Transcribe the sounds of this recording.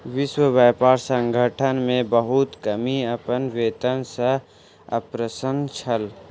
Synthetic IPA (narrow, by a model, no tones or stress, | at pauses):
ʋɪʃwəʋjaːpaːɾsə̃ŋɡʱəʈʰənmẽbəɦut̪kəmiɐpənʋeːt̪ənsə | ɐ̰pɾəsənt͡ʃʰəl